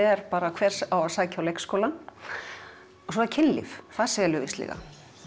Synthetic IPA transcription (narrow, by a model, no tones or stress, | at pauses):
ɛɾpaːɾakʰvɛːɾ̥sawasaːcawlejkskoːwlan | ɔsɔcʰɪnlɪ̰fkʰaðsɛːjɛlʏvɪst̪lḭɣa̰